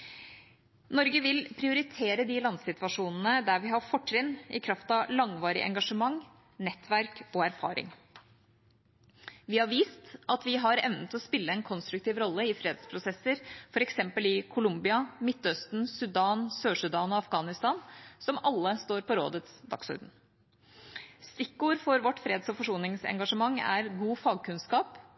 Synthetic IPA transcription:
nɔɾɡəʋɪlpʰɾɪʊɾɪt̪ʰeːɾəd̪ɪlɑnsɪt̪ʋɑʂuːnn̩əd̪æɾʋɪɦɑfɔʈːɾɪnːɪkʰɾɑft̪ɑʋlɑŋʋɑːɾɪ̰ʔɛ̰ŋɡɑʂəmɑŋ | nɛt̪ːʋæɾkɔæɾfɑ̰ːɾɪ̰ŋ | ʋɪhɑɾʋiːst̪ɑt̪ʋɪɦɑɾɛʋnət̪ɔspɪlːəɛnkʰɔnst̪ɾʉkt̪iːʋɾɔlːəɪfɾeːd̪spʰɾʊsɛsːəɾfɔɾɛksɛmpəlɪkʰʊlʊmbɪɑmɪt̪ːœst̪nsʉd̪ɑːnsøːʂʉd̪ɑːnɔɑfɡɑːnɪst̪ɑːnsɔmɑlːəst̪oːɾpɔɾo̰ːd̪ət̪sd̪ɑ̰ksɔ̰ɾd̪n̩ | st̪ɪkːuːɾfɔɾʋɔʈːfɾeːd̪sɔfɔʂuːnɪŋsɛ̰ŋɡɑʂəmɑŋːæ̰ɾɡuːfɑːɡ̚kʉnskɑːp

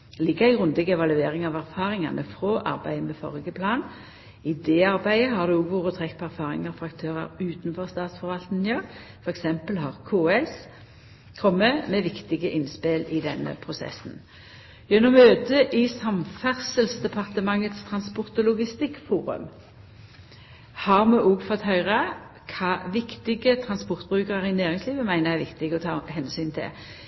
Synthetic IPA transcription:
lɪɡːəʁæɪɡʁʉnd̪ɪɡəɛʋɑlʉeːʁɪŋɑʋæʁfɑːʁɪŋɑnʔəfʁoːʔɑ̰ʁbæ̰ɪəmɛfɔ̰ʁɡəpʰlɑːn | ɪd̪ɛːɑʁbæɪəɦɑʁd̪ʉːɔɡʋuːʁɔt̪ʰʁɛkːpʰɔæʁfɑːʁɪ̰ŋɑfɔʁɑkt̪ʰøːʁɑ̰ʁʉːt̪n̩fɔʁst̪ɑːt̪sfɔʁʋɑlt̪nnjøːʁ | fɔʁɛksɛmpəlhɑːʁkʰuːɛls | kʰʁɔməmeʋɪkt̪ɪɡəʔɪnspɪlɪd̪ɛnːə̰pʰʁʊsɛ̰sn̩ | jɛnːɔmøːt̪əʔɪsɑmfæʁsəlsd̪ɛpʰɑʁt̪əmɑŋːət̪st̪ʰʁɑnspɔʁt̪ɔlʊɡɪst̪ɪkːfuːʁʉ̰m | hɑʁmʉʔuːɡfɔt̪hœʏʁə | kʰɑːʋɪkt̪ɪɡət̪ʰʁɑnspɔʁt̪̚bʁʉːkəʁəɾɪnæːʁɪŋsliːʋəmæɪnəʁæʁʋɪkt̪ɪɡɔt̪ʰɑ̰ːhɛnsyːnt̪ʰɪ̰

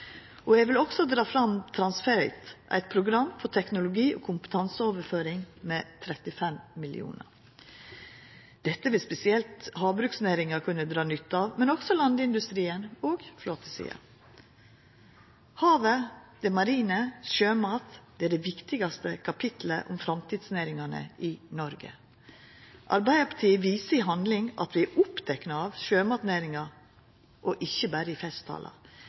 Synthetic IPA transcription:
ɔɛɡʋɪlɔksɔd̪ɾɑːfɾɑmt̪ʰɾɑnsfɛɾɪt̪ʔæ̰ɪt̪̚pʰɾʊɡɾɑmːfɔʈʰɛknʊlʊɡiːʔɔ̰ːkʰʊmpə̥t̪ʰɑnsəoːʋəɾføːɾɪŋmeːt̪ʰɾɛt̪ɪfɛmmɪlɪ̰ṵːnə̰ɾ | d̪̥ɛt̪ːəʋɪlspɛsɪɛlt̪hɑːʋbɾʉːksnæːɾɪŋɑkʰʉnːəd̪ɾɑːnʏt̪ːɑʋmɛnɔksɔlɑnd̪ɪnd̪ʉst̪ɾiːənoːɡfloːt̪ʰəsḭːɑ̰ | hɑːʋəd̪̥ɛmɑɾiːnəʃøːmɑːt̪d̪ɛːæɖɛʋɪkt̪ɪɡɑst̪əkʰɑpʰɪt̪l̩ə̰ʔʊmfɾɑmt̪ʰiːd̪sneːɾɪŋɑnə̰ʔɪnɔɾɡə̰ | ʔɑ̰ɾbæɪəpʰɑ̥ʈʰiːəʋiːsəɪɦɑnd̪lɪŋʔɑ̰t̪ʋɪæʔʊpd̪̥ɛknɑɑʋʃøːmɑːt̪neːɾɪŋɑ | ʔɔʔɪçːəbæːɾəɪfɛst̪ʰɑ̰ːlʔɑ̰

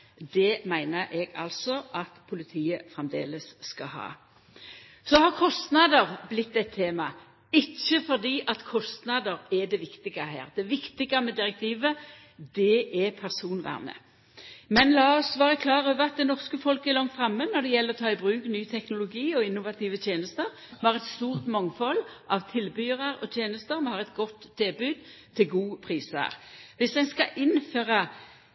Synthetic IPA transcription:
d̪ɛmæɪnəɾʔɛɡɑ̰lsɔʔɑt̪pʰʊlɪt̪ʰiːəfʁɛmd̪ḛːləsːkɑhɑ̰ː | sɔhɑʁkʰɔst̪nɑd̪əʁblɪt̪ːɛt̪ʰːeːmɑ | ɪçːəfɔd̪iːʔɑt̪kʰɔst̪nɑd̪əʁɛd̪ɛʋɪkt̪ɪɡɑɦæ̰ːʁd̪ɛʋɪkt̪ɪɡɑmɛd̪ɪʁɛk̚t̪ʰiːʋə | d̪ɛɛpʰæʁsuːnʋæ̰ːʁnə̰ | mɛnlɑːɔsʋɑːʁəkʰlɑːʁəøːʋəʁɑt̪̚d̪ɛnɔʁskəfɔlkəɛɾlɔŋt̪fɾɑmːənɔd̪ɛjɛlːəʁɔt̪ʰɑːɪbʁʉːknyːt̪ʰɛknʊlʊɡiːɔɪnːʊʋɑt̪ʰiːʋət̪ʰjeːnəst̪əɾ | mhɑʁɛt̪st̪uːʁt̪mɑŋfɔlʔɑʋt̪ʰɪlbyːʁɑɾɔ̰t̪ʰjeːnəst̪əʁmhɑʁɛt̪ɡɔt̪ʰːelbʉːd̪̚t̪ʰɪlɡuːpʰʁiːsə̰ɾʋɪsd̪ɛɪnskɑʔɪnføːʁɑ

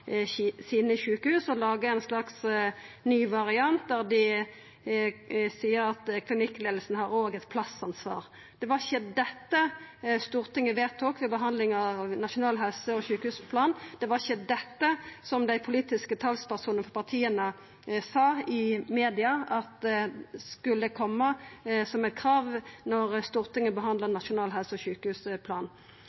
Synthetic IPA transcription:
siːnəçʉːkəhʉːsɔlɑːɡəænslɑksnyːʋɑʁɪɑnt̪̚d̪æʁd̪ɪ | siːəɾɑt̪kʰlɪnɪkːleːd̪l̩sn̩hɑʁoːɡɛt̪pʰlɑsɑnsʋɑ̰ːʁ | d̪̥ɛʋɑʁɪçəd̪ɛt̪ːəst̪uːʁt̪ɪŋːəʋeːt̪ʰoːkʋɛbəɦɑnd̪lɪŋɑʋnɑʂʊnɑːlɦɛlsəɔçʉːkəhʉːspʰlɑːnd̪̥ɛʋɑʁɪçəd̪ɛt̪ːəsɔmd̪æɪpʰʊliːt̪ɪskət̪ʰɑlspæʁsuːnəfɔʁpʰɑʁt̪ʰiːənə | sɑːɪmeːd̪ɪɑɑt̪̚d̪ɛskʉlːəkʰɔmːəsɔmɛɪt̪̚kʰɾɑːʋnɔʁst̪uːʁt̪ɪŋːəbəɦɑnd̪lənɑʂʊnɑːlɦælsəɔɕʉːkəhʉːspʰlɑːn

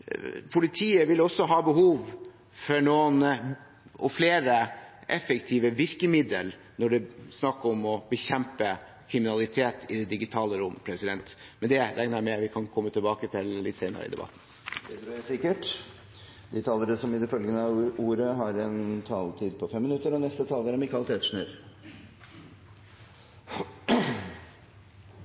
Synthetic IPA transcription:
pʰʊlɪt̪ʰiːəʋɪlːɔsːɔɦɑːbəɦuːʋ | fɔnoːən | ɔfleːɾəʔɛfəkt̪ʰiːʋəʋɪɾkəmɪd̪əl | nɔɖɛsnɑkːəɾɔmɔbəçɛmpə | kʰɾɪmɪnɑlɪt̪ʰeːt̪ɪd̪ɛd̪ɪɡɪt̪ʰɑːləɾɔmːəpʰɾɛsɪd̪ɛnt̪mɛnd̪ɛɾʔɛŋnəæmɛʋɪkʰɑnkʰɔmːət̪ʰɪlbɑːkət̪ʰɪlːɪt̪seɪnə̰ɾə̰ɪ̰d̪ɛ̰bɑ̰t̪ːn̩ | d̪ɛt̪ɾjæsɪkːəʈ | d̪ɪt̪ʰɑːləɾəsɔmɪd̪ɛfœlɡənəɑuːɾəɦɑɾɛnt̪ʰɑːlt̪ʰiːd̪̚pʰɔfɛmːɪnʉt̪əɾɔnɛst̪ət̪ʰɑːləɾɔmɪkɑlt̪ʰeːt̪ʂɳøɾ

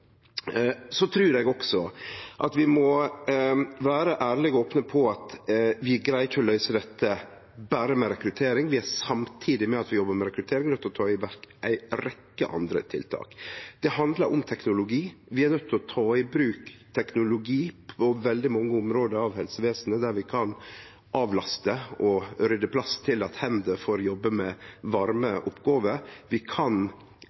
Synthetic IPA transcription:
sɔt̪ʰɾʉːɾɛɡɔksɔʔɑt̪ʋɪmɔ | ʋæːɾəʔæːɾlɪɡɔoːpnəpʰɔɑt̪ʋɪæɡɾæɪt̪ʰɪlɔlœʏsəd̪ɛt̪ʰːə | bæːɾəmɛɾɛkɾʉt̪ʰeːɾɪŋʋɪæsɑmt̪ʰiːd̪ɪmɛɑt̪ʋɪjɔbːəɾmɛɾɛkɾʉt̪ʰeːɾɪŋnœt̪ːlɔt̪ʰɑːɪʋæɾkʔæɪɾɛkːə̰ʔɑ̰nd̪ɾə̰t̪ʰɪ̰lt̪ʰɑ̰ːkd̪̥ɛhɑnd̪ləɾʔʊmt̪ʰɛknʊlʊɡiːʋɪæɾnœt̪ːɪlɔt̪ʰɑːɪbɾʉːkt̪ʰɛknʊlʊɡiːpʰɔʋɛld̪ɪmɑŋːəʊmɾoːd̪əɾɑʋhɛlsəʋeːsənəd̪æɾʋɪkʰɑn | ʔɑːʋlɑst̪əʔɔɾʏd̪ːəpʰlɑst̪ʰɪlɑt̪hɛmd̪əfoːɾjɔbːəmɛʋɑɾməʔʊpɡɑːʋəɾʋɪkʰɑn

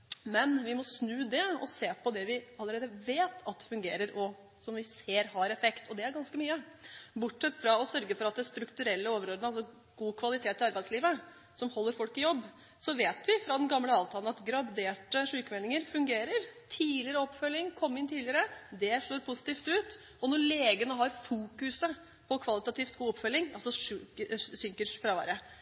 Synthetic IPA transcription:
mɛnʋɪmɔsnʉːd̪ɛɔ̰seːpʰɔd̪ɛʋɪɑlːəɾeːd̪əʋeːt̪ʰɑt̪̚ɛfʉŋɡeːɾəɾʔɔ | sɔmʋɪseːɾhɑɾɛfɛkt̪ɔd̪ɛæɾɡɑnskəmyːə | bʊʈʂɛt̪ːfɾɑɔsœɾɡəfɔɾɑt̪̚d̪ɛst̪ɾʉkt̪ʉɾɛlːəoːʋəɾoːd̪ənəɑlsɔ | ɡ̥uːkʰʋɑlɪt̪ʰeːt̪ːɪɑɾbæɪsliːʋə | sɔmhɔlːəɾfɔlkɪjɔbː | sɔʋeːt̪ʋɪfɾɑd̪ɛnɡɑmːləɑːʋt̪ʰɑlən̩ɑt̪ɡɾɑbd̪eːʈəʂʉːkəmɛlɪŋəɾfʉŋɡeːɾəɾt̪ʰiːlɪəɾəɔpːfœlːɪŋkʰɔmːɪnt̪ʰiːlɪəɾəd̪ɛʂɭoːɾpʰʊsɪ̥t̪iːft̪ʉːt̪ | ɔnɔɭeːɡənəɦɑɾfuːkʉsə | pʰɔkʰʋɑlɪt̪ɑt̪iːft̪ɡuːɔpfœlːɪŋɑ̰lsɔʂʉəsʏŋkəʂfɾɑʋæ̰ɾə

